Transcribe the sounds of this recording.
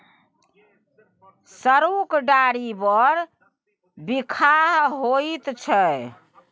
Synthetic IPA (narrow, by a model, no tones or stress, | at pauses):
səɾukɖaɾibəɾ | bikʰaɦɦoit̪t͡ʃʰɛ